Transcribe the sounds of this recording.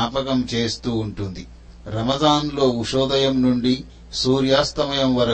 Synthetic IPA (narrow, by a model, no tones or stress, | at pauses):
aːpɐkɐmt͡ʃe̞ːst̪uːɳʈund̪i | ɾɐmɐd̪aːnlo̞ːuʃɔːd̪ɐjɐmnuɳɖi | suːɾjaːst̪ɐmɐjɐmʋɐɾɐ